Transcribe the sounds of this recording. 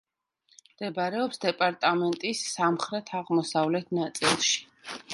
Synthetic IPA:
md̪̥ɛbɾɛɔpsd̪ɛpʼaɾt̪ʼamɛnt̪ʼisːamχɾɛt̪ʰaʁmɔsavlɛt̪ʰnat̪sʼilˠʃi̥

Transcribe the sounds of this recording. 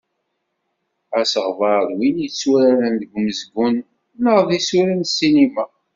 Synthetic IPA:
æsəʁvɑðˤwinjt͡sːwæɾæɾænðəɡʷməzɡʷʊn | nəʁðisuɾænsːinimæ

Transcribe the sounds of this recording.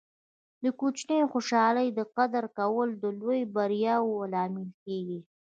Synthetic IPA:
d̪əkut͡ʃnejoxoʃɑləjd̪əqad̪əɾkawəld̪əlojbaɾjɑwoalɑmɪlkeɡi

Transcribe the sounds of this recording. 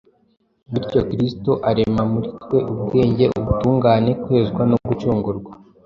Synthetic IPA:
wiɾco̞kɾistoʔaɾe̞mamuɾitkwe̞ʔubɡe̞ːɲɟeʔuβutuːŋɡaːne̞kwe̞ːzɡwanoɡut͡ʃuːŋɡuɾɡwa

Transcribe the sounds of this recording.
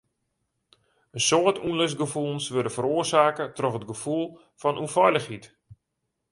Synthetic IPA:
ənsoətunløsɡəfulˠnsʋøɾdəfəɾoərsaːkətrɔxət̚ɡəfulˠ | fɔnʔunfɔjləxhit

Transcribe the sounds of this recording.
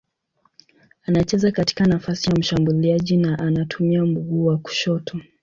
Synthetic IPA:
anat͡ʃɛzakati̥kanafasijam̩ʃambuliaʄinaʔanatʰumiam̩buɠuːwaku̥ʃɔtʰɔ

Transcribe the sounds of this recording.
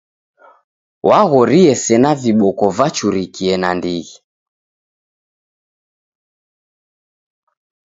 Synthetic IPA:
wʔaɣɔɾiɛsɛnaviɓɔkɔvat͡ʃuɾikiɛnandiɣi

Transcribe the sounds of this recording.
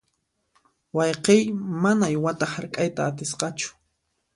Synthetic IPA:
wɑjqejmanajwat̪ahaɾkʼajt̪aːt̪ɪsqɑt͡ʃʊ̥

